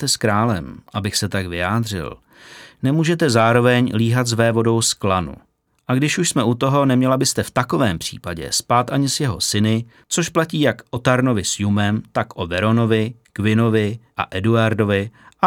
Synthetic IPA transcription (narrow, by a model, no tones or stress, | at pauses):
t̪ɛskɾaːlɛ̰mʔabɪxsɛt̪akvɪjaːd̪r̝ɪ̰l | nɛmuːʒɛt̪ɛzaːɾo̞vɛɲliːɦat̪zvɛːvo̞do̞wsklanṵ | ʔaɡdɪʃuʃsmɛut̪o̞ɦo̞nɛmɲɛlabɪst̪ɛft̪ako̞vɛːmpr̝̥ḭːpaɟɛ̰spaːt̪ʔaɲɪsjɛɦo̞̰sɪnɪ | t͡so̞ʃplaciːjakʔo̞t̪aɾno̞vɪsjumɛmt̪akʔovɛɾo̞no̞vɪkvɪno̞vɪʔa̰ʔɛduaɾdo̞vɪʔa